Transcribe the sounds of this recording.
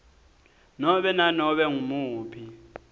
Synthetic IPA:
nɔɓɛnanɔɓɛŋumuːpʰi

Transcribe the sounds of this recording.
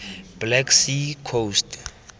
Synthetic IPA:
b̥lɛksikʰost

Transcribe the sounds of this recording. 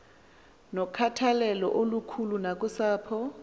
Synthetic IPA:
nɔkʰatʰalɛlɔ̰ʔolukʰulunakʼʊsaːpʰɔ

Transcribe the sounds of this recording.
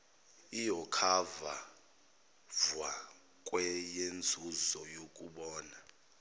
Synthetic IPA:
ijɔkʰava | vwa | kʼwɛjend͡zʱuzɔjokʼuɓɔːna

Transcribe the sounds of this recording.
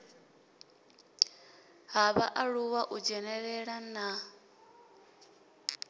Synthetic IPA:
ɦaβaʔaɺuwaʔud͡ʒɛnɛɺɛɺana

